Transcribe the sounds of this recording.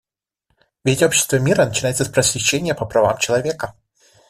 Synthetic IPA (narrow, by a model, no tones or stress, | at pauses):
vʲetʲo̞pɕːɪ̥st̪vəmʲiɾənət͡ɕɪnajɪt̪səspɾəsʲvʲɪɕːenʲɪjəpəpɾɐva̰mt͡ɕɪlˠɐvʲekə